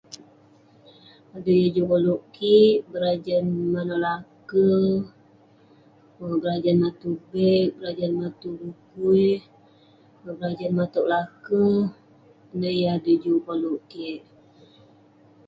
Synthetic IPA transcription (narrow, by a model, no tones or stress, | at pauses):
adəjəd͡ʒukoluʔkiʔbəɾad͡ʒənmanɔʔlakə | əbəɾad͡ʒanmat̪ubɛʔbəɾad͡ʒanmat̪uɾukujh | bəɾad͡ʒanmat̪ɔʔlakə | ənəjadəd͡ʒukoluʔkiʔ